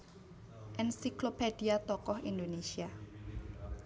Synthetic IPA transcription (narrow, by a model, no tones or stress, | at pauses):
ʔɛnsiklopediat̪ɔkɔhindonesia